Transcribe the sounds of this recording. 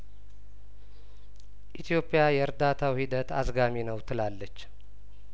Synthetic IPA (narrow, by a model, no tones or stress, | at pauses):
ʔit̪ʰijo̞pʼːijajɛɾd̪at̪ʰawhid̪ət̪azɡaminəwt̪ʰɨlalːət͡ʃː